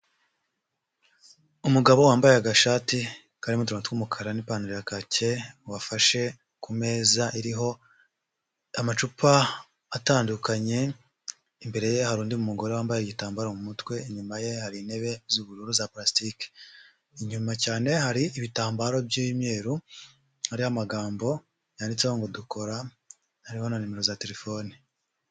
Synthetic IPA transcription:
umuɡaβo̞waːmbajeaɡaʃaːti | kaɾimut̬uɾantkwumukʰaɾanipaːnuɾiɾakace̞wafaʃe̞ | kume̞ːzaʔiɾiɦo̞ | amat͡ʃupʰaː | taːndukaɲe̞ | imbe̞ɾe̞je̞haɾuːndimumuɡo̞ɾewaːmbajeɟitaːmbaːɾomumutwe̞iɲumaje̞haɾine̞βe̞zuβuɾuɾuzaplastike̥ | iɲumacaːne̞haɾiʔːβitaːmbaɾo̞bjiβimje̞ːɾu | haɾihamaɡaːmbo̞ | jaːndit͡sehoŋɡodukʰo̞ɾa | haɾiho̞nanime̞ɾo̞zate̞ɾefo̞ni

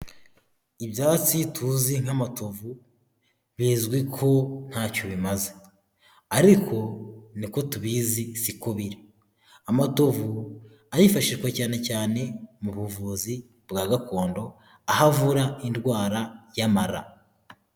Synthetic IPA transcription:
ibjaːt͡sitʰuːziŋ̥hamatovu | βiːzɡwikʰo̞n̥haːcoβimaze | aɾikʰo̞niko̞tuβizisikoβiɾe | amatovu | aɾifaʃiʃkwacaːne̞caːne̞muβuvuzi | bɡaːɡako̞ːndo̞ | ahavuɾaindɡwaːɾajamaɾa̰

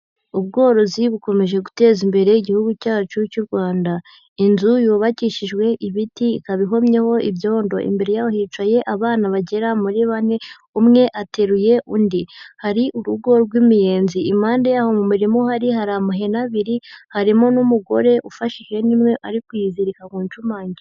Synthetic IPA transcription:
uβ̚ɡo̞ːɾo̞ziβuko̞me̞ʒe̞ɡute̞ːzimbe̞ɾe̞iɟihuɡucaːt͡ʃucuɾɡwaːnda | inzujuːβaciʃiʒɡwe̞ʔiβitiːkaβiɦo̞mɲe̞ho̞iβjo̞ːndo̞̰ʔḭmbe̞ɾejawohiːt͡ʃaje̞ʔaβaːnaβaɟe̞ɾamuɾiβane̞ | umŋe̞ʔate̞ɾuje̞ʔundihaɾiʔuɾuɡo̞ɾɡwimije̞ːnziːmaːndejahomumiɾimo̞haɾihaɾamuɦe̞naβiɾihaɾimo̞numuɡo̞̰ɾe̞ʔufaʃiʒɡe̞nimŋe̞ʔaɾikujiziɾikakuːɲt͡ʃumaːɲɟi

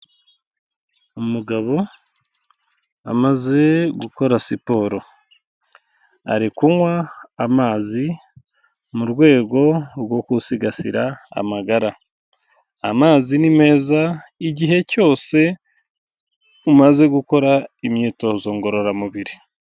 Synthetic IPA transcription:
umuɡaβo̞ | a̰maze̞ɡuko̞ɾasipo̞ɾo̞ | a̰ɾikuŋwaːmaːzi | muɾɡwe̞ːɡo̞ɾwo̞kusiɡasḭɾaa̰maɡaɾa | amaːzinime̞ːzaiɟiɦe̞co̞ːse̞ | umaze̞ɡuko̞ɾaimɲiːto̞zo̞ːŋɡo̞ɾo̞ɾamuβiɾi

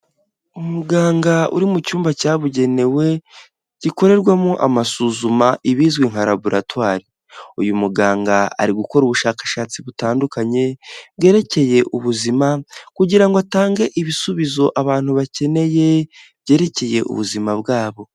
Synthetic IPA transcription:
umuɡaːŋɡaṵɾimucuːmbacaːβuɟe̞ne̞we̞ | ɟ̥iko̞ɾe̞ɾɡwamoʔamasuzumaʔiβiːzɡwiŋ̥haɾabuɾʔatwaːɾi | ujumuɡaːŋɡaa̰ɾiɡuko̞ɾuβuʃaːkḁʃaːt͡siβutaːndukaɲe̞bɡe̞ːɾe̞ce̞je̞ʔuβuzimakuɟiɾaŋɡoataːŋɡe̞ʔiβisuβizo̞ʔaβaːn̥huβace̞ne̞je̞ | β̥ɟe̞ɾe̞ce̞je̞ʔṵβṵzimaβɡaːβo̞

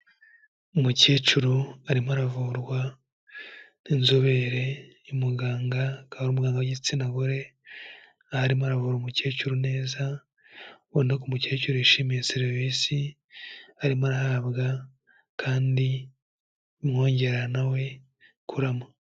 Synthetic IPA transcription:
umuceːt͡ʃuɾuaɾimaɾavuːɾɡwa | ninzoβeɾe | imuɡaːŋɡakaɾumuɡaːŋɡaɟit͡sinaɡoɾe̞ | ahaɾimaɾavuːɾumuceːt͡ʃuɾune̞ːza | wonekumuceːcuɾuiʃiːmejeseɾivisi | aɾimaɾahaːβɡa | kʰaːndi | mŋo̞ːɲɟe̞ɾanawe̞ | kʰuɾamo

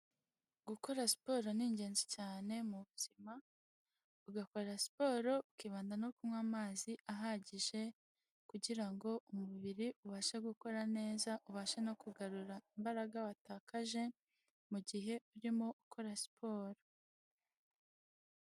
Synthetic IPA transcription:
ɡuko̞ɾasi̥po̞ːɾo̞niːɲɟe̞ːnzicaːne̞muβuz̥ima | uɡako̞ɾasi̥po̞ːɾo̞ukiːβaːndanokumŋaːmaːziʔaɦaɟiʒe̞ | kuɟiɾaŋɡo̞ʔumuβiɾiʔuβaːʃaɡuko̞ɾane̞ːzaʔuβaːʃeno̞kuɡaɾuɾaimbaɾaɡawataːkaʒe̞ | muɟiɦe̞uɾimo̞ʔukʰo̞ɾasi̥pʰo̞ːɾo

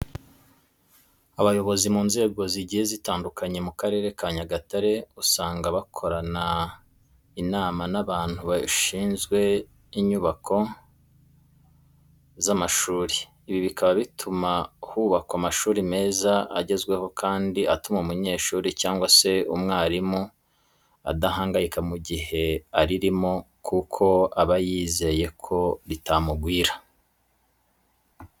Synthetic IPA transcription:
aβajo̞βo̞zimuːnze̞ːɡo̞ziɟihezitaːndukʰaɲe̞mukaɾe̞ːɾe̞kaɲaɡataɾe̞usaːŋɡaβakʰo̞ɾana | inaːmanaβaːn̥huβaʃiːnzɡwe̞ | iɲuβakʰo̞ | zamaʃuːɾiː | βiβikʰaβaβitʰumahuβakoamaʃuːɾime̞ːzaa̰ɟe̞zɡwe̞ho̞kʰaːndiatumaumuɲe̞ːʃuːɾicaːŋɡwase̞umŋaːɾimu | a̰daɦaːŋɡajikamuɟihe̞aɾiɾimo | kukʰo̞aβajiːze̞je̞kʰo̞ɾitamuɡwiːɾḁ

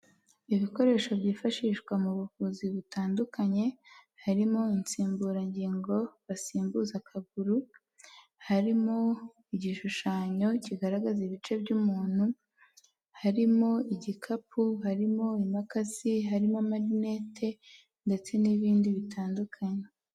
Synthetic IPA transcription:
iβiko̞ɾe̞ːʃo̞bɟiːfaʃiʃɡwamuβuhuːziβitaːndukʰaɲe̞haɾimo̞int͡siːmbuːɾaɲɟiːŋɡo̞βasiːmbuzakʰaɡuɾu | haɾimo̞ | iɟiʃuʃaːɲo̞ciɡaɾaɡaziβit͡ʃe̞bɟuːmuːn̥hu | haɾimo̞iɟikʰapʰuɦaɾimo̞imakaziɦaɾimamaɾine̞ːtʰe̞ | nde̞t͡se̞niβiːndiβitʰaːndukʰaɲe̞

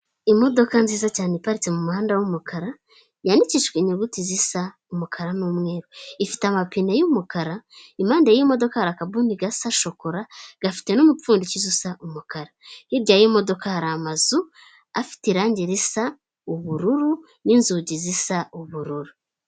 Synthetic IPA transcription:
imo̞do̞kanziːzacaːnepaɾit͡semumuhaːndawumukʰaɾa | janiciʃkweɲeɡutizisa | umukʰaɾanomŋe̞ːɾoifi̥tamapinajumukaɾaimaːndejimo̞do̞kahaɾakabuniɡasaʃo̞koɾaɡ̥afi̥te̞nomup͡fuːndicizusaʔumukaɾahiɾɟajimo̞do̞kahaɾaːmazu | afi̥teɾaːɲɟiɾisa | uβuɾuɾu | ninzuɟizisauβuɾuɾu

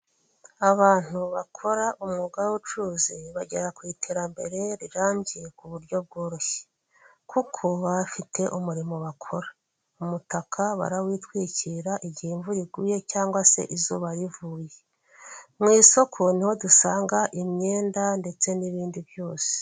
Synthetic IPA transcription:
aβaːn̥huβakʰo̞ɾaʔumŋuɡawut͡ʃuzeβaɟe̞ɾakwiːtʰeɾambe̞ɾe̞ɾiɾaːmɟije̞kuβuɾɟo̞b̚ɡo̞ːɾo̞çe̥ | kukʰo̞βafitʰe̞ʔumuɾimo̞βakʰo̞ɾḁ | umutakʰaβa̰ɾawiːtwiːciɾaʔiɟihiɱvuɾiɡuːje̞caːŋɡwase̞̰ʔizuːβaɾivuːje̞ | mŋiːso̞kʰo̞niho̞dusaːŋɡaʔimɲe̞ːndande̞t͡se̞niβiːndiβjo̞ːse̥

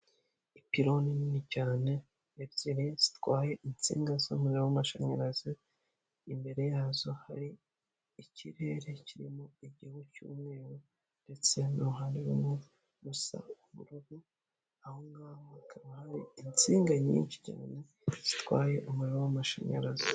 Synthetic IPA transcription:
ipiɾo̞ninicaːne̞ | ebɟiɾez̥i̥twaːje̞int͡sḭːŋɡazomuɾeɾowamaʃaɲaɾazi | imbe̞ɾe̞jaːzo̞haɾiː | cʰiɾe̞ɾe̞ciɾimoiɟihucṵme̞ːwo | nde̞t͡se̞noɦaniβumŋe | βusa̰uβṵɾuɡu | aho̞ŋɡamakʰaβahaɾiint͡siːŋɡaɲḭːnt͡ʃi̥ca̰ːne̞ | z̥itwaːje̞ʔumuɾeɾowamaʃa̰ɲa̰ɾazi

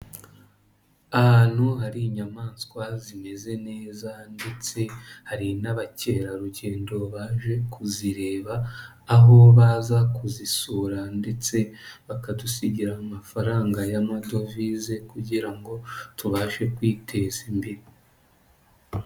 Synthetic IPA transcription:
ahan̥uɦaɾiɲamaːnskwazime̞ze̞ne̞ːzande̞t͡se̞haɾinaβace̞ːɾaɾuɟe̞ːndo̞βaʒe̞kʰuziɾe̞ːβaː | ɦo̞βaːzakuzisuɾande̞t͡se̞βakadusiɟiɾaamafaɾaːŋɡajamado̞vize̞kuɟiɾaŋɡo̞tuβaːʃe̞kwiːtʰe̞zimbeɾi

